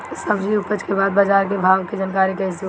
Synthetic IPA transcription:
səbd͡ʒiʊpət͡ʃkebaːd̪̚baːd͡ʒaːɾkebʱaːɡkid͡ʒənkaːɾikɐɦɪsi

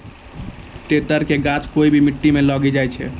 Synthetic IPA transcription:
t̪et̪əɾkeɡat͡ʃkoibʱimiʈːimelɔɡid͡ʒajt͡ʃʰɛ̰

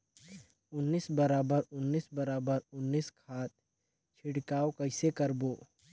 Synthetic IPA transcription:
ʊnːiːsbəɾaːbəɾʊnːiːsbəɾaːbəɾʊnːiːskʰaːt̪̚ | t͡ʃʰɪɽkaːokɐɪsekəɾboː

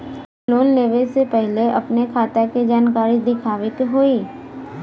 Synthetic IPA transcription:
loːnleːʋesepɛɦleɐpnekʰaːt̪akid͡ʒaːnkaːɾid̪ɪkʰaːʋɪt̪ɦoiː

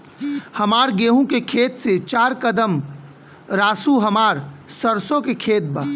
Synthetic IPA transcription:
hɐmaːɾɡeːɦũkekʰeːt̪set͡ʃaːɾkəd̪əm | ɾaːsuɦɐmaːɾsəɾsõkekʰeːt̪̚bə

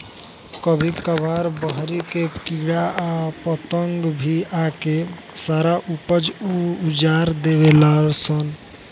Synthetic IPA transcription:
kəbʱikəbaɾbəɦɾikekiɽaapət̪əŋɡbʱiake | saɾaʔupəd͡ʒuud͡ʒaɾd̪eβelalsən

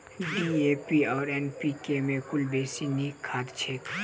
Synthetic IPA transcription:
ɖieːpiɔːɾɛːnpikemẽkʰʊlbeːsinikʰːaːd̪t͡ʃʰeːk

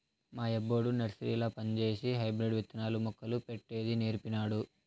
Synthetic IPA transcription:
maːebːoːɽunɐɾsɾḭːlɐpɐnt͡ʃe̞ːsiɦɐjbɾiɖʋit̪ːɐnaːlumɔkːɐlupeʈːeːd̪ineːɾpinaːɽu

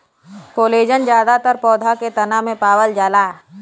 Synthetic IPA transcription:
koːleːd͡ʒənd͡ʒjaːd̪at̪əɾpɔːd̪ʱaket̪ɐnamẽpaːwəld͡ʒaːlaː

